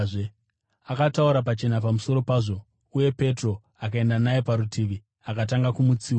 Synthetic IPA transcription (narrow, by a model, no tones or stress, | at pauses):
akatauɾapat͡ʃe̞napamuso̞ɾo̞paːʐo̞ | uje̞pe̞tro̞ | akae̞ndanajepaɾutiʋi | akat̬aŋɡakumut͡siː